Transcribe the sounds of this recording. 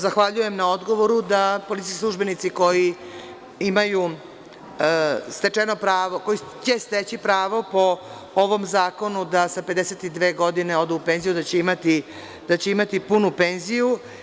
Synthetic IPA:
zaxʋaʎuje̞mnao̞d̪ɡo̞ʋo̞ɾud̪apolit̪iskisluʒbe̞nit̪siko̞ji | imaju | st̪e̞t͡ʂeno̞pɾaːʋoko̞jit͡ɕest̪et͡ɕipɾaːʋo̞po̞ | oʋo̞mzaːko̞nud̪asape̞d̪eset̪id̪ʋe̞ːɡo̞d̪ineo̞d̪uːpe̞nzijud̪at͡ɕeimat̪i | d̪̥at͡ɕe̞imat̪ipunupeːnziju

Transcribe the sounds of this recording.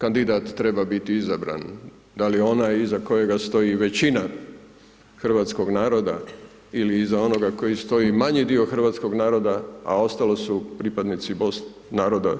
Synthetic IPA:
kand̪id̪aːt̪ːɾe̞babit̪iizabɾa̰n | d̪alijeo̞najizako̞je̞ɡast̪o̞jiʋe̞t͡ɕina | xr̩ʋat̪sko̞ɡnaːɾo̞d̪a̰ | iliːzao̞no̞ɡako̞jist̪o̞jimaɲid̪io̞xr̩ʋaːt̪sko̞ɡnaːɾo̞d̪aa̰o̞st̪alosupɾipad̪nit̪sibo̞s | naːɾo̞d̪a

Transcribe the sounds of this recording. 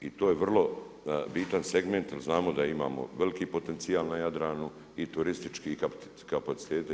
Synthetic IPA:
it̪oːjeʋr̩lˠo̞ | bit̪anse̞ɡment̪jalznaːmo̞d̪aima̰ːmo̞̰ʋe̞likiːpo̞t̪e̞nt̪sijaːlˠnajad̪ɾaːnu | it̪uɾist̪it͡ʃkikap | kapat̪si̥t̪eːt̪

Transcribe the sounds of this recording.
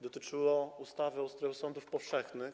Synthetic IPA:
d̪ɔt̪ɘt͡ʂɘwɔust̪avɘɔwst̪ɾɛɔsɔnd̪ufpɔfʂɛxnɘx

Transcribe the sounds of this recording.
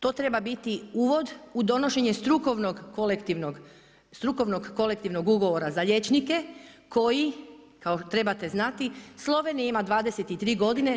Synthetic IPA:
t̪o̞ːt̪ɾe̞babit̪iuːʋo̞d̪ud̪o̞no̞ʃe̞ɲe̞st̪ɾukoʋnoɡkolekt̪iʋnoɡ | st̪ɾuko̞ʋnoɡːo̞le̞kt̪iʋno̞ɡuɡo̞ʋoɾazaʎe̞t͡ʃnike̞kʰo̞ji | kaot̪ɾe̞bat̪e̞znat̪islˠo̞ʋe̞niimad̪ʋaːd̪eset̪it̪ɾiːɡo̞d̪ine

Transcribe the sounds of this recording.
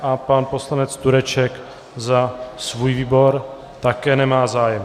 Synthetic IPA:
ʔapanpo̞slanɛt͡st̪uɾɛt͡ʃɛk | zasvuːjviːbo̞ɾ | t̪akɛːnɛmaːzaːjɛm

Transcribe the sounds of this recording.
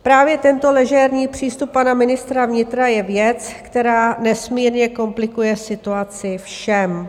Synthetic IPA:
pɾaːvjɛt̪ɛnt̪o̞lɛʒɛɾɲiːpr̝̥iːst̪up̚ːanamɪnɪst̪ɾavɲɪt̪ɾajɛvjɛt͡skt̪ɛɾaːnɛsmiːɾɲɛko̞mplɪkujɛsɪt̪uat͡sɪfʃɛm

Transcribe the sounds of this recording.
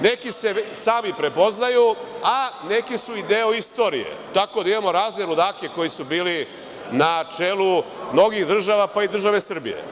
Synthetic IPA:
ne̞kise̞saːmipɾe̞po̞znajuane̞kisuid̪eːo̞ist̪o̞ːɾḭjḛt̪ako̞d̪aimamo̞ɾaːzneɾud̪aːke̞ko̞jisubiːli | nat͡ʂe̞ːlumno̞ɡiɣd̪r̩ʒaʋapaid̪r̩ʒaʋe̞sr̩bḭjḛ

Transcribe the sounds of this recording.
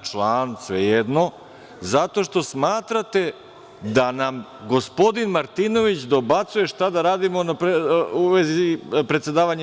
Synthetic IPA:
t͡ʃlˠaːnsʋejed̪no | zat̪o̞ʃt̪o̞smaːt̪ɾat̪e̞ | d̪anam | ɡo̞spo̞d̪inmaɾt̪ino̞ʋit͡ɕd̪abat̪suje̞ʃt̪ad̪aɾaːd̪imo̞napuʋezipɾet̪sjed̪aːʋaɲ

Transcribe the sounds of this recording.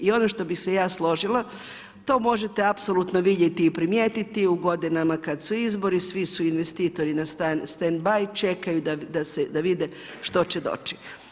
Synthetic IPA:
io̞noʃt̪o̞bixsejaːslˠo̞ʒilˠa | t̪o̞ːmo̞ʒet̪eapsolut̪no̞ʋid̪jet̪iːpɾimjeːt̪it̪iuɡo̞d̪inamakad̪suizbo̞ɾisʋisuinʋest̪iːt̪o̞ɾinast̪st̪end̪bajt͡ʃe̞kajud̪ad̪ased̪aʋid̪e | ʃt̪o̞t͡ɕed̪o̞̰t͡ʃi̥

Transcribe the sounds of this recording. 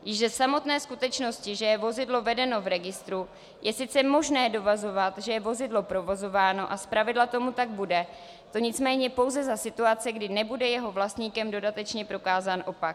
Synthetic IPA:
jɪʃzɛsamo̞t̪nɛːskut̪ɛt͡ʃno̞scɪʒɛjɛvo̞zɪdlo̞vɛdɛno̞vɾɛɡɪst̪ɾu | jʔɛsɪt͡sɛmo̞ʒnɛːdo̞vazo̞vat̪ʒɛjɛvo̞zɪdlo̞pɾo̞vo̞zo̞vaːno̞ʔaspɾavɪdlat̪o̞mut̪aɡ̚budɛ | t̪o̞ɲɪt͡smɛːɲɛpo̞wzɛzasɪt̪uat͡sɪɡdɪnɛbudɛjɛɦo̞vlast̪ɲiːkɛmdo̞dat̪ɛt͡ʃɲɛpɾo̞kaːzaːnʔo̞pak

